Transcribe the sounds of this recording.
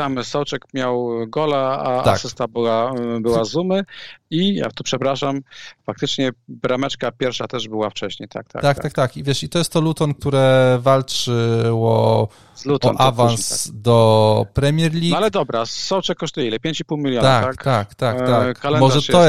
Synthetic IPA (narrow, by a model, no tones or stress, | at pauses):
t̪amsɔwt͡ʂɛkmʲjawɡɔlɛaa̰sɘst̪abɘwabɘwazumɘija̰t̪ɔpʂɛpɾaʂamfak̚t̪ɘt͡ʂɲɛbɾamɛt͡ʂkapʲjɛɾfʂat̪ɛʐbɘwaft͡ʂɛɕɲḛjt̪a̰k̚t̪a̰t̪ak̚t̪ak̚t̪akivʲjɛʂit̪ɔjɛst̪ːɔlut̪ɔnk̚t̪uɾɛvalt͡ʂɘwɔ | zlut̪ɔnʔavansd̪ɔpɾɛmʲjɛɾlʲialɛd̪ɔbɾasɔwt͡ʂɛkːɔʂt̪ujɛilɛpʲjeɲt͡ɕipuwmʲilʲjɔt̪at̪akt̪akt̪ak̪akalɛnmɔʐɛɔ